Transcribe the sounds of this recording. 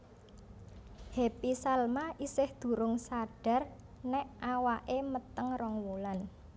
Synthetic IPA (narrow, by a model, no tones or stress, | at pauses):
hepisalmaʔisɪhd̪̥ṳɾʊŋsaɖ̥a̤r | nɛʔawaʔemət̪əŋrɔŋwulan